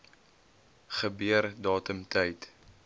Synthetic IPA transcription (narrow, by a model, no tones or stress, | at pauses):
χəbiərdɑːtəmtʰɛjt